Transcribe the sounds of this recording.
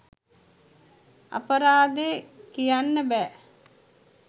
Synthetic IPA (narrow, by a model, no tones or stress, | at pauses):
a̰pəɾaːd̪ekijanːəbɛː